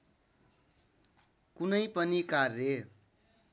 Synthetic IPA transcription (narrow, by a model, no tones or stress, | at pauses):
kunʌjpʌnikarːe